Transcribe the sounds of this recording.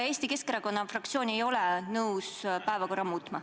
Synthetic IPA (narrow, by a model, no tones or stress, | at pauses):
e̞ːsʲt̪ike̞skeɾɑko̞nːɑfrɑk̚t̪sioːne̞jo̞lɛnɤuwspæevɑko̞rːɑmuːt̪ˑmɑ